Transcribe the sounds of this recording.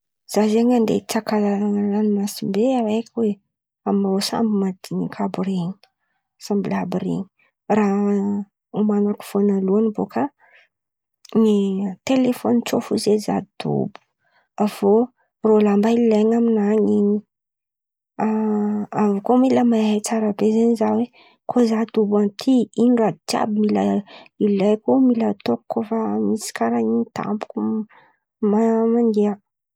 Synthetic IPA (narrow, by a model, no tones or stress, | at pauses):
z̥azeɲand̪ḛit͡sakalaɾaŋalanimasimbeawejkʰʲwe | amosa̰mbimad̪iɲikʰabureɲi̥ | sambilabiɾḛɲi̥ | ra | umanaku̥v̥onaluanibokʰa | nit̪elefonit͡sofuzeza̰d̪id̪̥o̰bu̥ | av̥o | rolambaillajŋaminaɲiɲi̥ | aavukomiləmaajt͡saɾəbezeɲizawe | kʰozad̪ubanmt̪ʰiinɳɖ͡ʐad̪itja̰bimilailajkumilət̪okkːofamisi̥kaɾaiɲit̪a̰mbu̥ku | mamanɡeə